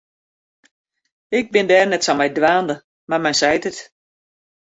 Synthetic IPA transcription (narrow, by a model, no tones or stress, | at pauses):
ɪk̚bɪndɛːrnɛtsɔmɛjdʋaːndə | marmɛjnsɛjtət